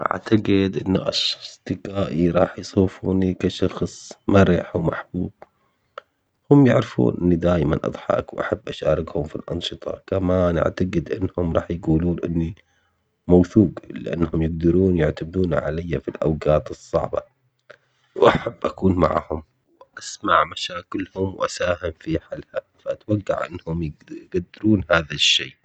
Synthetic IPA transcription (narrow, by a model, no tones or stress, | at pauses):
ʔa̰ʕt̪aɡɪd̪ʔɪnːaʔaʃɑst̪ɪqaːʔiɾˤɑːħjsˤuːfṵːnikaʃɑxsˤmaɾɪħwmaħb̥uːb̥̚ | hʊmjaʕɾɪfṵːnʔɪnːid̪aːjma̰nʔɑ̰d̪ˤħɑ̰kwʔaħabːʔaʃaːɾˤɪɡhʊmfilʔɑ̰nʃɨt̪ˤɑ̰kamaːnʔa̰ʕt̪aɡɪd̪ʔɪnːhʊmɾˤɑ̰ːħjɡuːluːnʔɪnːi | mawθuːɡlɪʔa̰nːhʊmjɪɡd̪ɑɾuːnjʊʕt̪abɾuːnʕa̰lajːafilʔa̰wɡaːt̪ɨsˤːɑ̰ʕbɑ̰ | wʔaħabːʔakuːnma̰ʕhʊm | wʔasmaʕmaʃaːkɪlhʊmwʔasaːhɪmfiħalha | faʔat̪waɡːa̰ʕʔɪ̰nːhʊmjɡ̥ad̪ːɪɾuːnhaːðaʃːeː